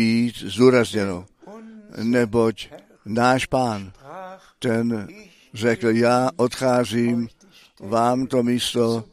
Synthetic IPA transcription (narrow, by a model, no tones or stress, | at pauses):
iːt̪zd̪uːɾazɲɛno | nɛbo̞c | naːʃpaːn | t̪ɛn | rɛkl̩jaːʔot̪xaːziːm | vaːmt̪omiːst̪o